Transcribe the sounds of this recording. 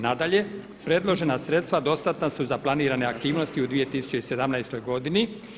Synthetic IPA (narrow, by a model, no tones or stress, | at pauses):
nad̪aʎe̞ | pɾe̞d̪lˠo̞ʒe̞nasɾe̞t̪st̪ʋad̪o̞st̪at̪nasuzaplˠaniːɾane̞ak̚t̪iːʋnost̪iud̪ʋije̞t̪iːsu̥t͡ɕeise̞d̪amnajst̪o̞jɡo̞d̪ini